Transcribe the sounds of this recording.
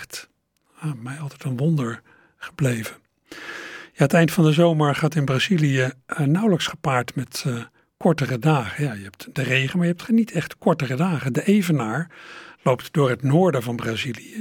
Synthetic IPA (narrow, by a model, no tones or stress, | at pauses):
t | jamɛjɑlˠtɛjtənʋɔndəɹ | χə̥blejvə | jaːɦətɛjntfɑndəzowməɹχaːtɪnbrazilijənʌwləksχə̥paːɹtmɛt | kɔɹtərədaːχəjajəɦɛp̚td̥ərejχənmaːɹjəɦɛp̚tχənitʰɛχtkɔɹtərədaːχədəʔejvənaːɹlowptdʊːɹɦətnʊːɹdəvɑnbraziliə